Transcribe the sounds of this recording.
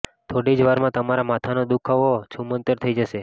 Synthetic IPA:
t̪ʰoɽid͡ʒʋaɾmãt̪əmaɾamat̪ʰanod̪ukʰaʋot͡ʃʰumənt̪əɾt̪ʰəid͡ʒəʃe

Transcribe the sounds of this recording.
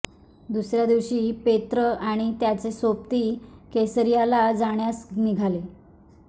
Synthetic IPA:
d̪usɾjad̪iʋɕiːpet̪ɾəaɽ̃it̪jat͡sesop̚t̪iːkesəɾijalad͡zaɳ̃jasniɡʱale

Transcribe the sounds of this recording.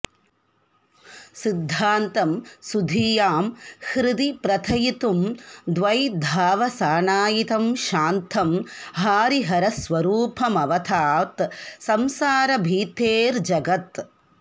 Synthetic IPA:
sid̪ʱːaːnt̪ɐmsud̪ʱiːjaːmhɾɪd̪ipɾɐt̪ʰɐjit̪umd̪ʋɐjd̪ʱaːʋɐsaːɳaːjit̪ɐmʃaːnt̪ʰɐmɦaːɾiɦɐɾɐsʋɐɾuːpʰɐmɐʋɐt̪ʰaːt̪sɐmsaːɾɐbʱiːt̪eːɾd͡ʒɐɡɐt̪

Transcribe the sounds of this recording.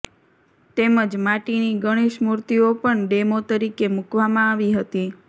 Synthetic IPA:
t̪eməd͡ʒmaʈiniɡəɽ̃eʃmuɾt̪iopəɳɖemot̪əɾikemukʋamãaʋiɦət̪i

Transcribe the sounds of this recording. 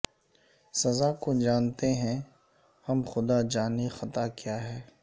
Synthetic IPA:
sɐzakod͡ʒaːnt̪eɦɛ̃ | hɐmxʊd̪ad͡ʒaːnixɐt̪akjaːɦɛː

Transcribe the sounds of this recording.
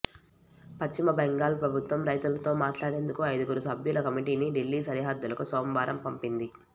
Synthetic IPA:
pɐt͡ʃt͡ʃimɐbɛŋɡaːlpɾɐbʱut̪ʋɐmɾɐjt̪ulɐt̪o̞ːmaːʈlaːɽe̞ːnd̪ukuɐjd̪ɐɡuɾusɐbʱjulɐkɐmiʈiːniɖilːiːsɐɾiɦad̪ːulɐkusɔːmʋaːɾʔɐmpɐmpind̪i

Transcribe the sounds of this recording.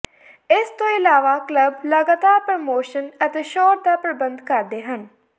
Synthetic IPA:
ɪst̪õːɪlaːʋaːkləbləɡaːt̪aːɾpɾomoːʃənət̪eːʃoːɾd̪aːpɾəbə̃nd̪kəɾd̪eːɦən

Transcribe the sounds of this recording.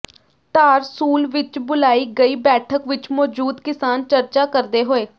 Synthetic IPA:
t̪aːɾsuːlʋɪt͡ʃbʊlaːiːɡəiːbɛːʈʰəkʋɪt͡ʃmɔːd͡ʒuːd̪kɪsaːnt͡ʃəɾt͡ʃaːkəɾd̪eːɦoːeː

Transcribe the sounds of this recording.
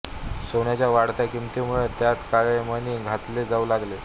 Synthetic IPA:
soɳjat͡ɕjaʋaɽt̪akimt̪imuɭet̪jat̪kaɭeməniːɡʱat̪led͡zaulaɡle

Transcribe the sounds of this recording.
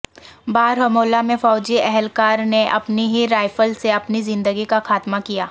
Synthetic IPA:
baːɾɦɐmoːlamẽfɔːd͡ʒiɛɦɛlkaːɾneʔɐpniɦiɾaːɪfəlseɐpnizɪ̃nd̪əɡikaxaːt̪makijaː

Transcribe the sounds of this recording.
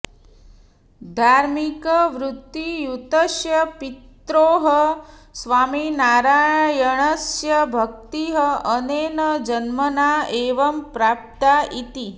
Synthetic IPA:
d̪ʱaːɾmikəʋɾut̪ːijut̪ɐʃjɐpit̪ɾoːɦəsʋaːminaːɾaːɳjəɳəsjɐbʱɐk̚t̪iɦəəneːnɐd͡ʒɐnmənaːeːʋɐmpɾaːp̚t̪ait̪i

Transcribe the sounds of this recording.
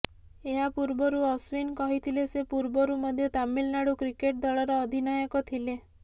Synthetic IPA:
eɦapuɾbɔɾuɔswinkɔɦit̪ʰilesepuɾbɔɾumɔd̪ʱjɔt̪amilnaɽukɾikeʈ̚d̪ɔɭɔɾɔːd̪ʱinajɔkɔt̪ʰile

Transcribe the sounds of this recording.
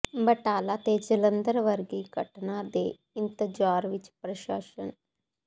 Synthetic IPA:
bəʈaːlaːt̪eːd͡ʒələ̃nd̪əɾʋəɾɡiːɡəʈnaːd̪eː | ɪnt̪əd͡ʒaːɾʋɪt͡ʃpɾəʃa̰ːʃə̰n

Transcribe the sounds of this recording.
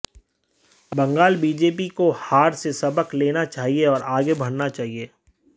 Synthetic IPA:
bɐ̃ŋɡaːlbiːd͡ʒeːp̬ikohaːɾsesɐbəkleːnat͡ʃaːɦieɔːɾaːɡebʱɐɽnat͡ʃaːɦieː

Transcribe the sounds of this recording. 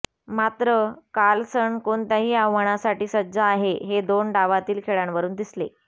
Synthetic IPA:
mat̪ɾəkalsəɳkoɳt̪jaɦiːaʋʋəɳ̃asaʈiːsədd͡zaːɦeɦed̪onɖaʋat̪iːlkʰeɭaɳʋəɾuːnd̪isle

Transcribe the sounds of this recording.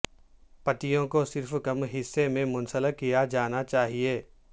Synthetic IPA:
pɐt̪ijõkosɪɾfkɐmɦɪsːemẽmʊ̃nsələkijad͡ʒaːnat͡ʃaːɦieː

